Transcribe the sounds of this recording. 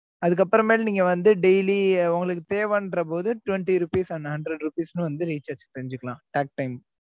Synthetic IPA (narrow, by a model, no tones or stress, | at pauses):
ɐðɯkːɐpːɯɾɐ̃meːlɐniːŋɡɐʋɐnd̪ɯɖɛɪliʊŋɡɐɭɯkːɯt̪eːʋɐːnɾɐp̬oːðɯʈʊʋɛɳʈiɾupiːsaːnːɐɦɐɳɖɾɐɖɾupiːsnɯ̃ʋɐnd̪ɯɾiːt͡ʃaːɾt͡ʃt̪ɛɾɪɲd͡ʒɯkːɐɭlãːʈaːk̚ʈɐɪm